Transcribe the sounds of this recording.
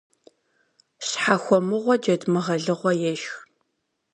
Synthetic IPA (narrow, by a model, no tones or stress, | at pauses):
ɕħaxʷɔmɨʁʷɔd͡ʒɐdmɨʁɐɮɨʁʷɔjɛʃx